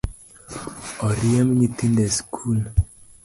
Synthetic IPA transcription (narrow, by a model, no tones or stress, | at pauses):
ɔɾiɛmɲitindɛskʰul